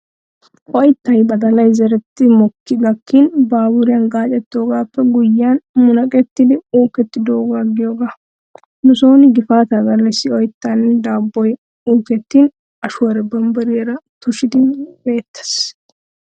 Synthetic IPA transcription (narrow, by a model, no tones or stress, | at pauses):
ʔɔjt̪ːɐjbɐd̪ɐlɐjzɛɾɛt̪ːɪmɔkːɪɡɐkʰːinbaːbʊɾɪjaːnɡaːt͡ʃʼɛt̪ːoːɡaːpːɛɡʊjːaːnmʊnɐkʼɛt̪ːɪd̪ɪuːkɛt̪ːɪd̪oːɡaːɡɪjoːɡa | nʊso̞ːnɪɡɪfaːt̪ɐɡɐlːɛsːɪɔjt̪ːand̪aːbːɔj | uːkɛt̪ːiːn | ɐʃʊwɔɾɛbɐmbɐɾɪeɾɐt̪ʊʃɪd̪ɪbe̞ːt̪ːɐ̥s